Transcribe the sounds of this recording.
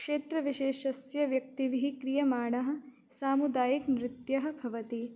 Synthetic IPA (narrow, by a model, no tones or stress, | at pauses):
kʂeːt̪ɾɐʋiʃeːʃɐsjɐʋjɐk̚t̪iʋiɦikɾijɐmaːɳɐɦɐ̆ | saːmud̪aːjɐknɾɪt̪jɐɦɐ̆bʱɐʋɐt̪i